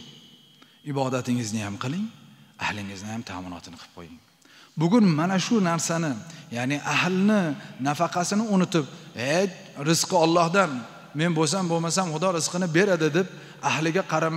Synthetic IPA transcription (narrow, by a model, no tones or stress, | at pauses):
ɪbɒd̪at̪ʰɪŋɪznɪjamqʰɨlˠɪŋahlɪŋɪznɪjamt̪ʰa̰ːmʊnɒ̰t̪ʰɪnɪqʰɨ̥p̚qʰo̰jɪŋ | bʊɡʲʊnmanaʃʊnaɾsanɪjanɪʔaɦlnɪnafɑqʰɑsɪnɪʊnʊt̪ʰɪp̚het͡ʃ | ɾɪz̥qɨɒlˠːɒhd̪an | me̞nbos̬ambomasamχʊd̪ɒɾɪz̥qʰɨnɪbe̞ɾad̪ɪd̪ep̚ | ahlɪɡʲaqʰɑɾam